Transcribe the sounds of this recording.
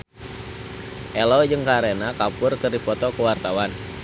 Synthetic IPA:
ʔɛlɔd͡ʒɨŋkaɾenakapʊrkɨrdipɔt̪ɔkəwart̪awan

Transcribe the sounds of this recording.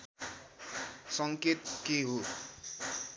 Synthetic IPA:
sʌŋket̪keɦo

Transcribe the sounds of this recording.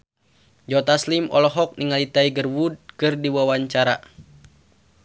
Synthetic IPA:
d͡ʒɔt̪aslimɔ̰lɔɦɔk̚niŋalit̪aiɡərwud̚kɨrdiwawaɲt͡ʃaɾa

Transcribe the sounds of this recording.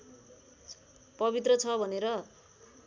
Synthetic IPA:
pʌbit̪̬rʌt͡sʰʌbʱʌneɾʌ

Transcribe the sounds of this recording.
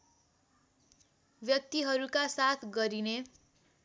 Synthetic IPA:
bjʌk̚t̪iɦʌɾukasat̪ʰɡʌɾine

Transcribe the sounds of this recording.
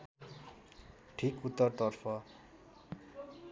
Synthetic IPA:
ʈʰikut̪ːʌrt̪ʌrpʰʌ

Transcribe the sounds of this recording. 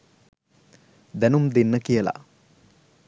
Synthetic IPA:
d̪ænumd̪enːəkijəla̰

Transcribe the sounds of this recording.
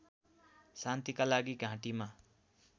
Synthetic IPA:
sant̪ikalaɡiɡʱãʈima

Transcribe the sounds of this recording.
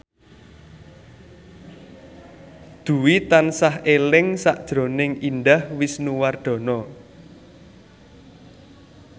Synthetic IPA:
d̪̥ṳwit̪ansahelɪŋsaʔd̥ʒ̥ɾo̤nɪŋind̪ahwisnuward̪̥ɔ̤nɔ

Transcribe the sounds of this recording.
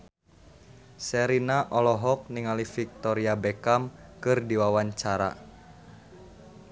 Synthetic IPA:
sɛɾinaʔɔlɔɦɔk̚niŋalifik̚t̪ɔɾiabɛkamkɨrdiwawaɲt͡ʃaɾa̰

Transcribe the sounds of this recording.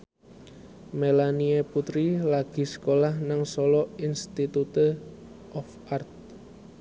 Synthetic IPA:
melanieput̪ɾilaɡ̥i̤sə̥kolahnaŋsɔlɔʔinst̪it̪ut̪ə | ʔɔf | art̪̚

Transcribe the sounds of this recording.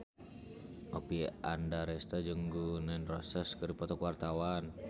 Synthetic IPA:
ʔopiandaɾɛst̪ad͡ʒəŋɡunanrɔsəskəɾipɔt̪ɔkuwart̪awan

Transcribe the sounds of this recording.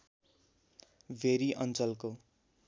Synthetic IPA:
bʱeɾiʔʌnt͡sʌlko

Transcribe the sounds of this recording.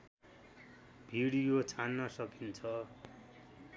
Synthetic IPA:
b̥ʱiɽijot͡sʰanːʌsʌkint͡sʰʌ

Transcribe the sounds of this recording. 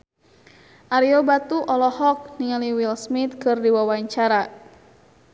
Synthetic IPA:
ʔaɾiɔbat̪uʔɔlɔhɔk̚niŋaliwilsmit̪̚kɨrdiwawaɲt͡ʃaɾa

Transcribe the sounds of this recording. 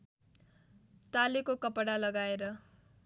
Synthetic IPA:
t̪alekokʌpɽalʌɡaeɾʌ

